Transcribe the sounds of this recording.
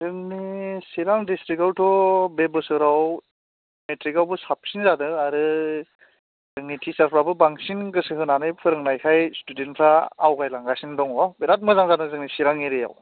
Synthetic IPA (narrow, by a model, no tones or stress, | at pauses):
zɯŋnisiɾaŋdistɾikawtʰɔbebɯsɯɾaw | metʰɾikawbɯsap̚sinzadɯaɾɯ | zɯŋnitʰisaɾpʰɾabɯbaŋsinɡɯsɯɦɯnanɯjpʰɯɾɯŋnajkʰajstudenpʰɾaːwɡajlaŋɡasindɔŋɔbeɾat̚mɯzaŋzadɯzɯŋnisiɾaŋiɾeja̰w